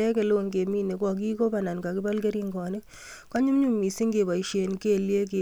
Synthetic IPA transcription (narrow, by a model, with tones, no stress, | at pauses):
ɛ˦ke˨lo˦ŋke˨mi˦ne˨kwa˨k̬i˦ko˦pa˨na˨nka˨kɪ˦ba˦lke˦ɾi˦ŋɡɔ˨ne˦ | ka˦ɲu˦mɲu˦mi˨si˦ŋɡe˨ba˨i˨ʃe˨nke˦lje˦k̬e˨